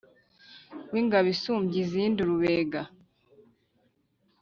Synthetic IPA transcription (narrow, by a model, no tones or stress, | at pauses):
wiŋɡaβisumbjizindiɾuβeːɡa